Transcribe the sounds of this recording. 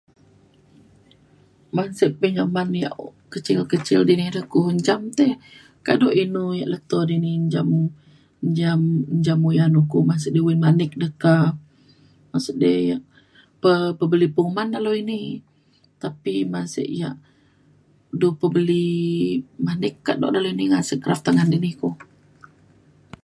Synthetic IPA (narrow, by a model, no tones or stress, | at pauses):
mansəʔpːəŋəmanja̰ʔkət͡ʃɪlkət͡ʃɪ̰ldinihdəkuəɲd͡ʒamt̪ɛh | ka̰dɔʔinujaʔlək̚t̪ɔdiniɲd͡ʒamu | ɲd͡ʒamɲd͡ʒamujanukumas̬ʊʔdewinmanɪk̚dəka | masuʔdəjaʔ | pəpəbəlipuŋmandaloini | t̪apimasə̰ʔja̰ʔ | dupəbəli | manɪkːaʔdɔ̰ʔdaloiniŋasəʔkɾaft̪aŋandinihku